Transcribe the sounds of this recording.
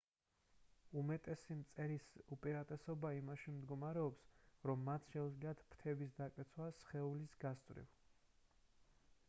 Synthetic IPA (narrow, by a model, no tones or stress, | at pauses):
umɛt̪ʼɛsimt̪sʼɛɾisupʼiɾat̪ʼɛsɔbaimaʃimd̪ɡɔmaɾɛɔpsɾɔmːat̪ʰʃɛud̪zliat̪ʰpʰt̪ʰɛbis̬d̪akʼɛt̪sʰwasχɛulisɡast̪ʼvɾḭv